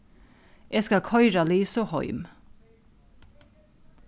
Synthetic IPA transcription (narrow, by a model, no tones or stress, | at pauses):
ʔeːskɑkʰœʏɾɑliːsoːhɔ̰ʏm